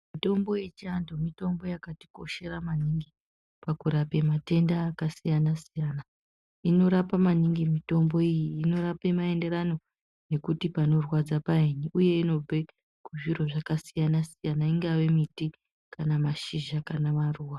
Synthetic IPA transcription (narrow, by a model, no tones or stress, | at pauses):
mito̞mbo̞jet͡ʃiandomito̞mbo̞jakati̥ko̞ʃe̞ɾamaniŋɡi | pakuɾape̞mate̞ndaːkasijanasijaːna | ino̞ɾapamaniŋɡimito̞mbo̞ijiːno̞ɾape̞mae̞nde̞ɾano̞ | ne̞kutipano̞rwad͡zapaeɲiʔuje̞ino̞b͡ve | kuʐiɾo̞ʐakasijanasijanaiŋɡawe̞miti | kanamaʃiʒakanamaruːwa